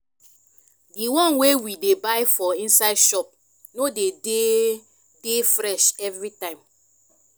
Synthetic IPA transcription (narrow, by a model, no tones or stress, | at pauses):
diwɔ̃nwewidebaɪfɔĩnsaɪdʃɔp̚ | nodede | d̥efɾɛʃɛvɹitãɪ̃m